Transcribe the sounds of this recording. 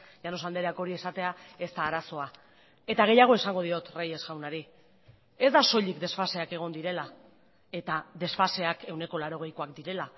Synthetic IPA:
ʝano̞sald̪e̞ɾeako̞ɾie̞sat̪e̞ae̞st̪aːɾaso̞a | e̞t̪aɣ̞e̞jaɣ̞o̞esaŋɡo̞ð̞io̞t̪reje̞sɣawnaɾi | e̞zd̪aso̞ʎikd̪e̞sfase̞ake̞ɣ̞o̞nd̪iɾe̞la | e̞t̪ad̪e̞sfase̞ake̞wne̞ko̞laɾo̞ɣ̞e̞jko̞akd̪iɾe̞la

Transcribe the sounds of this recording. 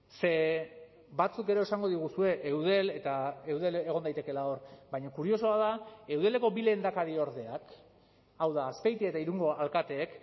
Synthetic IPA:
se̞ | bat͡suke̞ɾo̞esaŋɡo̞ð̞iɣ̞usue̞ʔewðe̞le̞t̪aewðe̞le̞ɣ̞o̞nd̪ajt̪e̞ke̞lao̞ɾbajɲakuɾio̞so̞að̞ae̞wð̞e̞le̞ko̞bile̞nd̪akaɾio̞ɾðe̞ak | awðaːspe̞jt̪iaet̪aiɾuŋɡo̞alkat̪e̞ːk

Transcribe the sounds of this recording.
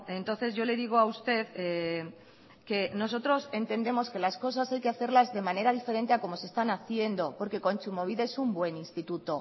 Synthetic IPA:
e̞nt̪o̞nθe̞zʝo̞le̞ðiɣ̞oaust̪e̞ðe | ke̞no̞s̬o̞t̪ɾo̞se̞nt̪e̞nd̪e̞mo̞ske̞lasko̞s̬asajke̞aθe̞ɾlazðe̞mane̞ɾað̞ife̞ɾe̞nt̪e̞ako̞mo̞sest̪anaθje̞nd̪o̞po̞ɾke̞ko̞nt͡ʃumoβiðaesumbwe̞ninst̪it̪ut̪o̞

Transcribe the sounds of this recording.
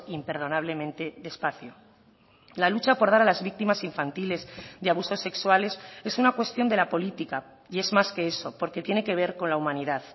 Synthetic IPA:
impe̞ɾð̞o̞naβ̞le̞mẽnt̪e̞ðe̞spaθjo | lalut͡ʃapo̞ɾðaɾalazβik̚t̪imasiɱfant̪ile̞zðeaβ̞uso̞sːe̞kswale̞se̞sunakwe̞st̪jo̞nd̪e̞lapo̞lit̪ika | ie̞zmaske̞e̞so̞po̞ɾke̞t̪je̞neke̞β̞e̞ɾko̞nlaumãniðað

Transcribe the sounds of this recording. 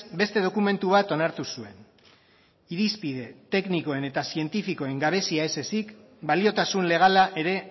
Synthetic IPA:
be̞st̪e̞ð̞o̞kume̞nt̪uβ̞at̪o̞naɾt̪usue̞n | iɾispið̞e̞t̪e̞kniko̞e̞ne̞t̪asie̞nt̪ifiko̞e̞ŋɡaβ̞e̞siae̞se̞sik | balio̞t̪asunle̞ɣ̞alaʔe̞ɾe̞

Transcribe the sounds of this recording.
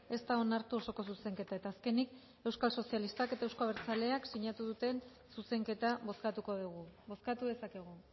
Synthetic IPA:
e̞st̪ao̞naɾt̪uoso̞ko̞suse̞ŋke̞t̪ae̞t̪aːske̞nik | e̞wskalso̞sialist̪aket̪ae̞wskoβeɾt͡sale̞aksiɲat̪uðut̪e̞n | suse̞ŋke̞t̪aβo̞skat̪uko̞ðuɣubo̞skat̪uðe̞sake̞ɣ̞u

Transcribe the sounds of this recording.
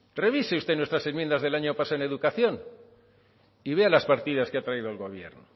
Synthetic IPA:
re̞βiseust̪e̞nwe̞st̪ɾase̞nmjend̪azðe̞laɲopasoene̞ðukaθjo̞n | iβe̞alaspaɾt̪iðaskeat̪ɾaiðoalɣo̞β̞je̞̰ɾno

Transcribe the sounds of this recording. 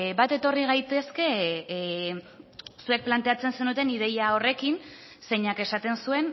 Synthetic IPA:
bat̪e̞t̪o̞riɣ̞ajt̪e̞ske̞ | sue̞k̚plant̪e̞at͡se̞nse̞nut̪e̞nið̞e̞jao̞re̞kin | se̞ɲake̞sat̪e̞nsue̞n

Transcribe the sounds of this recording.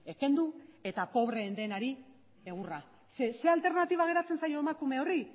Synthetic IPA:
e̞ke̞nd̪ue̞t̪apo̞β̞ɾe̞ːnd̪enaɾi | e̞ɣ̞ura | sese̞alt̪e̞ɾnat̪iβ̞aɣ̞e̞ɾat͡se̞nsajo̞emakume̞o̞ri

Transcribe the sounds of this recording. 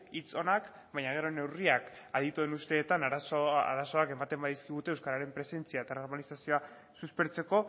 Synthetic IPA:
it͡so̞nak | bajɲaɣ̞e̞ɾo̞ne̞wriakaðit̪ue̞nust̪e̞ːt̪anaɾasoa̰ɾaso̞ake̞mat̪e̞mbaðiskiɣ̞ut̪e̞ːwskaɾaɾe̞mpɾe̞se̞nt͡siaet̪ano̞ɾmalisasio̞a | suspe̞ɾt͡se̞ko̞

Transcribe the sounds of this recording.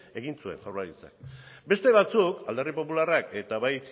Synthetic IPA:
e̞ɣinsuenawraɾit͡sa̰kbe̞st̪e̞β̞at͡sukald̪aripo̞pularake̞t̪aβaj

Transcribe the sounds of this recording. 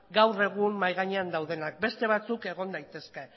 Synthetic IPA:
ɡawre̞ɣ̞ummajɣ̞aɲeand̪awðe̞nak̚be̞st̪e̞β̞at͡suke̞ɣ̞o̞nd̪ajt̪e̞ske̞

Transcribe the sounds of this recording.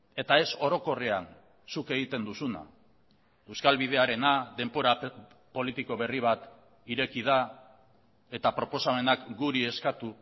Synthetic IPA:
e̞t̪ae̞so̞ɾo̞ko̞rean | suke̞ɣit̪e̞nd̪usuna̰ | e̞wskalβið̞e̞aɾe̞naðe̞mpo̞ɾa | po̞lit̪iko̞β̞e̞riβ̞at̪ | iɾe̞kiða | e̞t̪apɾo̞po̞same̞nakɡuɾie̞skat̪u

